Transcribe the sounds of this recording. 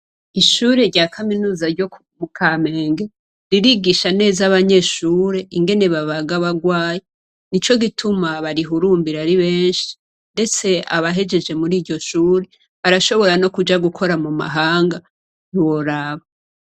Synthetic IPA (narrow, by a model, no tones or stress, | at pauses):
iʃuːɾe̞ɾɟaːkʰaminuːzaɾɟo | mukʰaːme̞ːŋɡe̞ | ɾiɾiɡiʃane̞ːzaβaɲe̞ʃuːɾe̞ʔiŋɡe̞ne̞βaβaɡaβaɡwaːje | nit͡ʃo̞ɡitʰumaβaɾiɦuɾuːmbiɾaɾiβe̞ːnʃi̥ | nde̞t͡se̞aβaɦe̞d͡ʒe̞d͡ʒe̞muɾiːɾɟo̞ʃuːɾe | βaɾaʃo̞βo̞ɾano̞kud͡ʒaɡukʰo̞ɾamuma̰ɦaːŋɡa | iwo̞ɾaβa